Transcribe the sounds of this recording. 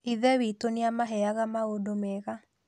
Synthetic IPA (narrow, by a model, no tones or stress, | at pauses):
iðɛwitoneamaɦɛaɣamaodomeɣa